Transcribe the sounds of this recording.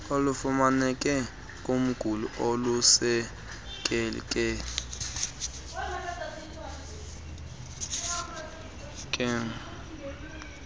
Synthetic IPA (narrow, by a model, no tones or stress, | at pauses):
olufumanɛkʼɛ | kʼum̩ɡ̥ʱuluʔolusɛ | kʼɛl̰kʼɛ | kʼɛŋ